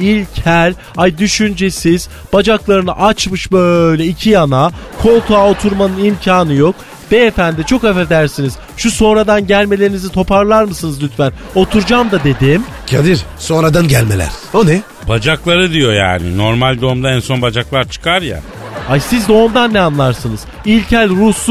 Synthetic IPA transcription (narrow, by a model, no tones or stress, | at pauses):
ilʲcʰælʲ | hajd̪yʃynd͡ʒɛsiz̥ | b̥ad͡ʒaklˠaɾɯnɯ̰ʔat͡ʃmɯʃbøjlʲɛicʰijana | kʰo̞lˠkʰao̞t̪ʰuɾmanɯnimcʰaːnɯjo̞k | b̥̪ɛefænd̪ɛt͡ʃʰo̞kafɛɾd̪æɾsiniz̥ | ʃuso̞nɾad̪anɟælʲme̞lʲe̞ɾinizit̪ʰo̞pʰaɾlˠaɾmɯsɯnɯzlʲyt̪fæn | o̞t̪ʰuɾd͡ʒamd̪ad̪e̞d̪im | cʰad̪iɾso̞nɾad̪anɟælʲmelʲæ̰ɾ̥onɛ | b̥ad͡ʒaklˠaɾɯd̪ijo̞ja̰ːnḭno̞ɾmalʲd̪o̞umd̪aænso̞nbad͡ʒaklˠaɾt͡ʃʰɯ̥kʰaɾja̰ | ajsizd̪o̞ːmd̪anːɛanlˠaɾsɯnɯz̥ | ilʲcʰælʲɾusˠ